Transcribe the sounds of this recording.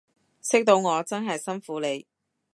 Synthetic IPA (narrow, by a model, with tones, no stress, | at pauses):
sɪ˥k̚t̪o˧wŋɔː˨˧t͡sɐ˥nɦɐ˨jsɐ˥nfuː˨˧le˨˧j